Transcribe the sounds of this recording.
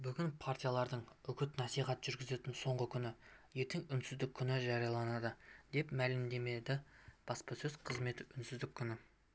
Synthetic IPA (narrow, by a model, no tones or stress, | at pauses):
bʏɡʲɪnpʰart̪ijalˠɑɾd̪əɴʏkʲɪt̪nɑsiχɑt̪ʒ̥ʏɾɡʲɪze̞t̪ɪnso̞ɴʁəkʲʰʏnɪje̞t̪ɪŋʏnsɪzd̪ɪkʲʰːʏnɪʒɑɾijɑlˠɑnɑd̪əd̪e̞pmælɪmd̪e̞me̞d̪ɪb̥ɑspɑsɵzqʰəzme̞t̪ʏnsɪzd̪ɪkʲʰːʏnɪ